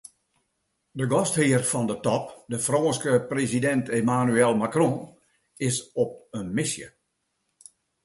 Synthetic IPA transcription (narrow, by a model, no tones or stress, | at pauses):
dəɡɔsthiərfɔndətɔpdəfroːnskəprezidɛntemanyɛlˠmakrõː | ɪsɔp̚ənmɪsjə̰